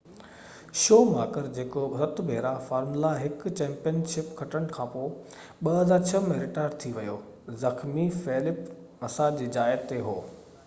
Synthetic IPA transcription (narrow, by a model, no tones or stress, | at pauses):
ʃoːmaːkəɾd͡ʑeːkoɾɐt̪bʱeːɾafaːɾmlaɦɪkt͡ɕɛ̃ːmpijənʃɪpkʰɐʈəɽ̃kʰãːpoː | ɓɐɦɐzaːɾt͡ɕʰɐmeːɾɪʈaːɖt̪ʰiʋɐjoː | zɐxmifeːlɪp | mɐsad͡ʑiːd͡ʑaːɪɾt̪eɦoː